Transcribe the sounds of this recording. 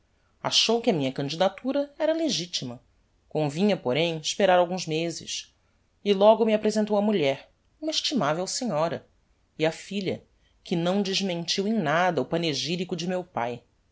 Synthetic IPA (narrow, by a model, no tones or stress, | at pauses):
a̰ʃowkɪɐmĩɲɐkɐ̃nd͡ʒid̪at̪uɾɐɛɾɐleʒit͡ʃimɐ | kõvĩɲɐpoɾẽj̃ɪʃpeɾaɾawɡũzmezɪ̰ʃ | ɪlɔɡʊmiapɾezẽnt̪owɐmuʎɛɾ | ũmɐeʃt͡ʃimavewseɲɔɾɐ̰ | iɐfiʎɐ̰ | kɪnɐ̃w̃d͡ʒɪʒmẽnt͡ʃiwẽj̃nad̪ɐʊpɐneʒiɾikʊd͡ʒɪmewpaj